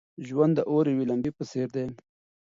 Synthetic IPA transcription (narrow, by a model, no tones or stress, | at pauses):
ʒwand̪ːəʔoɾewilambipəseɾd̪e